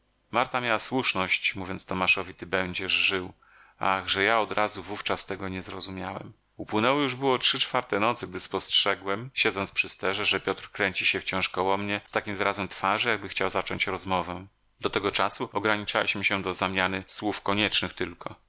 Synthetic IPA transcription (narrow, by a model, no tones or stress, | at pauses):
maɾt̪amʲjawaswuʂnɔɕt͡ɕmuvʲjɔ̃ntst̪ɔmaʂɔvʲit̪ɘbɛɲd͡ʑɛʐʐɘw | a̰ɣʐɛjaɔd̪ɾʔazuvuft͡ʂast̪ɛɡɔɲɛzɾɔzumʲjawɛ̰m | upwɘnɛwɔjuʐbɘwɔtʂɘt͡ʂfaɾt̪ɛnɔt̪sɘɡ̚d̪ɘspɔstʂɛɡwɛmɕɛd̪zɔnt̪spʂɘst̪ɛʐɛʐɛpʲjɔt̪ɾkɾɛɲt͡ɕiɕɛft͡ɕɔ̃w̃ʂkɔwɔmɲɛst̪akʲimvɘɾazɛmt̪faʐɘjaɡ̚bɘxt͡ɕawzat͡ʂɔɲt͡ɕɾɔzmɔvɛ | d̪ɔt̪ɛɡɔt͡ʂasuɔɡɾaɲit͡ʂalʲiɕmɘɕɛd̪ɔzamʲjanɘswufkɔɲɛt͡ʂnɘxt̪ɘlkʰɔ